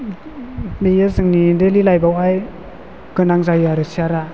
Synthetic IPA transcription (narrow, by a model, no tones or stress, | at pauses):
mejɯzɯŋnidelilajbawaj | kɯnaŋzajuaɾɯsiaɾa